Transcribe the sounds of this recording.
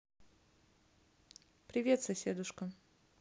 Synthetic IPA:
pɾʲɪvʲe̞t̪sɐsʲed̪ʊʂkə

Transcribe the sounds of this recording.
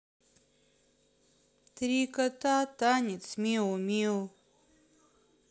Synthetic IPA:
t̪ɾikat̪at̪anʲit͡smʲiwmiw

